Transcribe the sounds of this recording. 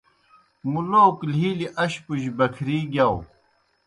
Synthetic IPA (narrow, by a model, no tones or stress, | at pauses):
muloklɦiːliʔɐɕpuɕbɐkʰɾiːɡaw